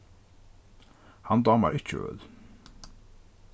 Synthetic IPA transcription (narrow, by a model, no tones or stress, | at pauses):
hɑnd̪ɑːmæ̰ːʔɪt͡ʃəø̰ːd̪